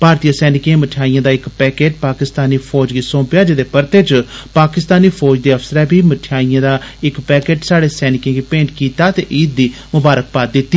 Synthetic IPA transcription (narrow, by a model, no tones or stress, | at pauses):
bʱaːɾt̪ijaːsɛːnɪkẽːməʈʰjaːijãːd̪aːɪkpɛːkeːʈ̚paːkɪst̪aːniːpʰɔːd͡ʒɡiːsõːpɪjaːd͡ʒɪd̪eːpəɾt̪eːt͡ʃpaːkɪst̪aːniːpʰɔːd͡ʒd̪eːəfsəɾɛːbʱiːməʈʰjaːijãːd̪aːɪkpɛːkeːʈsaːɽeːsɛːnɪkẽːɡiːpẽːɳʈkiːt̪aːt̪eːʔiːd̪̚d̪iː | mʊbaːɾək̚paːt̪̚d̪ɪt̪ːiː